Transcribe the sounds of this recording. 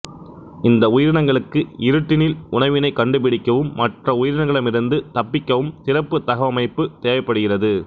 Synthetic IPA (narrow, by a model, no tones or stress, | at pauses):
ɪnd̪ɐʊjɪɾɪɳɐŋɡɐɭɯkːɯɪɾɯʈːɪnɪlʊɳɐʋɪnɐɪkɐɳɖɯp̬ɪɽɪkːɐʋɯmːɐʈrɐʊjɪɾɪɳɐŋɡɐɭɯmɪɾɯnd̪ɯt̪ɐpːɪkːɐʋɯmt̪ɪrɐpːɯt̪ɐɣɐʋɐmɐɪpːɯt̪eːʋɐɪpːɐɽɯɣɪrɐðɯ